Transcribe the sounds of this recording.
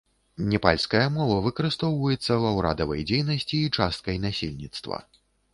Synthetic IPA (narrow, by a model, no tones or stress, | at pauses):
nʲɛpa̰lʲskɐjɐmɔvɐvɨkɐɾɨst̪ɔwvɐjɛt̪sːɐwɐwɾa̰d̪ɐvɐ̰jd͡zʲejnɐsʲt͡sʲiːt͡ʂast̪̚kɐjnasʲelʲnʲit̪st̪vɐ̰